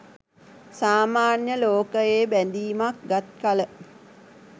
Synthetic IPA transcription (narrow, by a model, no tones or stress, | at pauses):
saːmaːnjəloːkəjeːbænd̪iːmak̚ɡat̪̚kalə